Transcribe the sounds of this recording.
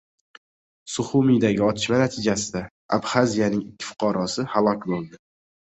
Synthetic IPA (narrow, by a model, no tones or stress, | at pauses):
sʊχʊmijd̪aɡʲɪɒt̪ʰɪ̥ʃmanat̪ʰɪd͡ʒasɪd̪a | a̰bχazijanɪŋɪkʲʰːɪ̥fʊ̥qʰɑɾɒsɪhalˠɒkʲbolˠd̪ɪ